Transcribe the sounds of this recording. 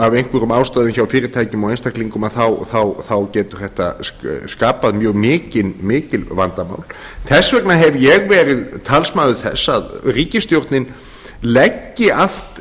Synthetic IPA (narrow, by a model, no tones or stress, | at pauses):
avejnkʰvɛɾʏmaːwst̪aːðʏmçawfɪːɾɪɾt̪ʰaːjcʏmawejnst̪akliŋkʏmaðθawθawθawcɛːt̪ʏɾ̥θɛht̪a̰skaːpaðmjœːɣmɪːcɪnmɪːcɪlva̰nt̪ama̰ːwl | θɛsːvɛknaɦɛvjɛɣvɛːɾɪðt̪ʰalsmaːðʏ̥θɛ̰sːaðriːcɪst̪jowɾt̪nɪn | lɛcːɪal̥t̪